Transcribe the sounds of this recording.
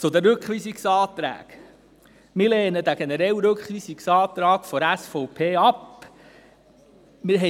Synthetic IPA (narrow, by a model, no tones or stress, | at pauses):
t͡sʊd̪əɾʏkχʋiːsiksɑːt̪ɾæ̰ːk | mɪɾleːnəd̪æɡ̥enɛɾɛwɾøkχʋiːsiksɑːt̪ɾɑːkfɔɾæsfɔʊpʰeːɑp | mɪɾɦɛ